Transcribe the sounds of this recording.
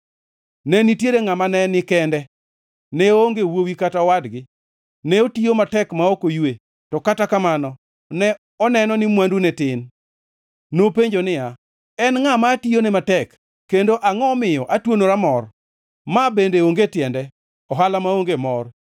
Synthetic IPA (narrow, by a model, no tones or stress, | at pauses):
nɛnitjeɾeŋamanɛnɪkɛndɛ | nɛoŋɡewowikataɔwadɡɪ | nɛotijomatɛkmaokojwe | tɔkatakamanɔ | nɛ | ɔnɛnɔnɪmwandunɛtɪn | nopeɲd͡ʒonɪja | ɛnŋamationɛmatɛkː | endoʔaŋɔmɪjɔʔatwonoɾamɔr | mabendeoŋɡetɪɛndɛ | ɔɦalamaoŋɡemɔr